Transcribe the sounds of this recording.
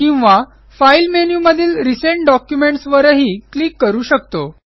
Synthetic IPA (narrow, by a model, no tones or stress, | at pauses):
kĩw̃ʋa | failmenjuːməd̪ʱiːlɾiseɳʈ̚ɖɔkjumeɳʈsʋəɾəɦiːklikːəɾuːɕəkt̪o